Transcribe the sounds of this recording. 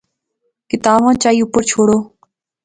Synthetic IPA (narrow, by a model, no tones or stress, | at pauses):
kɪt̪aːʋãːt͡ʃaːiːʊpəɾt͡ʃʰoːɽoː